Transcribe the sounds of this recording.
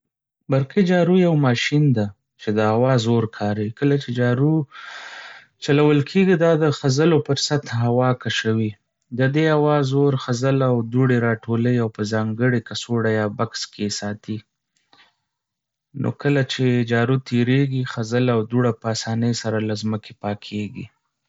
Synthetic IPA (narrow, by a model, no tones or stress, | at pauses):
baɾqed͡ʒɑɾujawmɑʃind̪a | t͡ʃed̪əawɑzoɾkʰɑɾikəlat͡ʃed͡ʒɑɾu | t͡ʃalawəlkʰeɡid̪ɑd̪əxazəlopəɾsat̪ɦawɑkaʃawi | d̪əd̪eawɑzoɾxazəlawd̪uɽeɾɑʈʰoləjawpəzɑŋɡəɽekasoɽajɑbakskʰesɑt̪ʰi | nʔo̰kəlat͡ʃed͡ʒɑɾut̪ʰeɾeɡixazəlawd̪uɽapəasɑnəjsaɾalazməkʰepɑkʰeɡḭ